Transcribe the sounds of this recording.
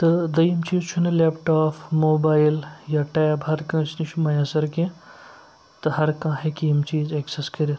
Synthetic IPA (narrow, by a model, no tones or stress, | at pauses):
t̪ɨd̪ɐjimt͡ʃiːzt͡ʃʰunɐlepʈaːpʰmoːbaːiljaːʈeːbɦɐɾkɐ̃ːt͡ʃʰnit͡ʃʰumɐjaːsɐɾkẽ | t̪ɨɦɐɾkãːɦekiimt͡ʃiːzekseskɐɾi